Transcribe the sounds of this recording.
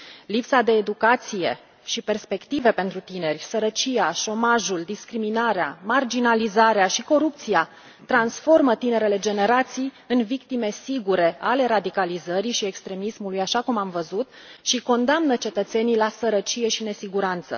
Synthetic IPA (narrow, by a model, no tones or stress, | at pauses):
lipsad̪e̞ːd̪ukat̪sije̞̰ | ʃipe̞rspe̞kt̪ive̞pe̞nt̪ɾut̪ine̞rʲsəɾət͡ʃijaʃo̞maʒuld̪iskɾiminaɾeamard͡ʒinalizaɾeaʃiko̞ɾup̚t̪sija | t̪ɾansfo̞rmət̪ine̞ɾe̞le̞d͡ʒe̞ne̞ɾat̪sij | ɨnvik̚t̪ime̞siɡuɾe̞ale̞ɾad̪ikalizəɾiʃiekst̪ɾe̞mismulujaʃakumamvəzut̪ | ʃiko̞nd̪amnət͡ʃe̞t̪ət̪se̞nijlasəɾət͡ʃije̞ʃine̞siɡuɾant̪sə̰